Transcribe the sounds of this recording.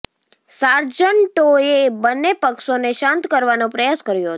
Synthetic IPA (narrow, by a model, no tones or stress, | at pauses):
saɾd͡ʒəɳʈoebənːepəkʃoneʃãnt̪kəɾʋanõpɾəjaskəɾjoɦət̪